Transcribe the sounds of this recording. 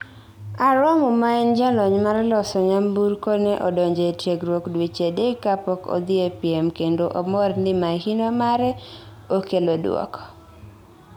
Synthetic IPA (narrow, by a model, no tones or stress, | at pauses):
aɾɔmʊmaɛnd͡ʒalɔɲmaɾlɔsɔɲambuɾkɔnɛʔɔdɔɲd͡ʒetjeɡɾwokdwit͡ʃedekapɔko̰d̪ɪepiemkendoʔomɔrndɪmahinomaɾɛ | okelodwɔ̰kɔ̥